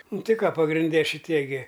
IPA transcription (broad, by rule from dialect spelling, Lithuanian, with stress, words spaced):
ˈnʊ ˈtʲɪ ˈkɑː pɐɡrʲɪnʲˈdʲɛ ʃʲɪˈtʲiɛ ɡʲɪ